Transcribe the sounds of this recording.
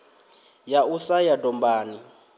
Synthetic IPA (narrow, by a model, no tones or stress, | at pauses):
jausajadɔmbaːni